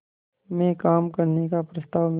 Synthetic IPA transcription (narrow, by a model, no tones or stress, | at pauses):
mẽkaːmkɐɾnekapɾɐst̪aːʋm